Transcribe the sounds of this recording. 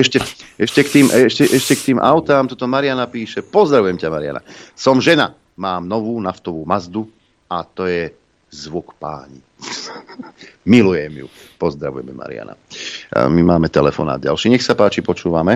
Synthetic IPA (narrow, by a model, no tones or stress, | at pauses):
ɛʃcɛɛʃcɛkt̪iːmʔɛʃcɛʔɛʃcɛkt̪iːmʔaʊt̪aːmt̪ɔt̪ɔmaɾɪjanapiːʃɛpɔzd̪ɾaʋujɛmcamaɾɪa̰na̰sɔmʒɛna | maːmnɔʋuːnaft̪ɔʋuːmazd̪u | at̪ɔjɛ | zʋukpa̰ːɲḭ | milujɛmjṵpɔzd̪ɾaʋṵjɛmɛma̰ɾɪ̰a̰na̰ | mimaːmɛt̪ɛlɛfɔ̰na̰ːd̪̚ɟa̰lʃiːɲɛxsapaːt͡ʃipɔt͡ʃuːʋamɛ